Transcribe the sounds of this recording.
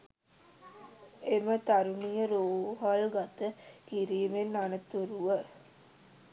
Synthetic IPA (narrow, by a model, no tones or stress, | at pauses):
emət̪aɾunijəɾoːɦalɡat̪əkiɾiːmenːanət̪uɾuʋə